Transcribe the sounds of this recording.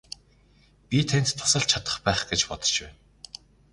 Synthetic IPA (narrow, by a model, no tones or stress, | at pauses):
pʲit̪ʰenʲt̪t̪ʰːʊ̥sə̆ɬt͡ɕʰat̪ə̥̆χpæːχɡet͡ɕpɔt̪ɞ̥̆t͡ɕpæːn